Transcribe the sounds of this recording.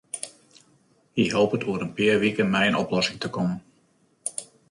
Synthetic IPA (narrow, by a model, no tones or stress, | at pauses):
iɦolˠpətʰuəɾənpɪərʋikənmɛjənɔplɔsɪŋtəkɔmən